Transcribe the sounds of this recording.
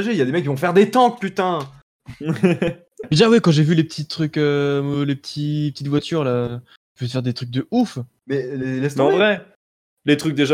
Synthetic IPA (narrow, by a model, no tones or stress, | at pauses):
ʒeiljad̪emɛkːivɔ̃fɛʁd̪et̪ɑ̃kpyt̪ɛ̃ | d̪eʒawikɑ̃ʒevylepət̪ʰit̪χykømlepət̪ʰipət̪it̪vwat̪ʰyʁla | vyfɛʁd̪et̪χyk̚d̪əuf | mɛlelɛsɑ̃vʁɛ | let̪χyk̚d̪eʒa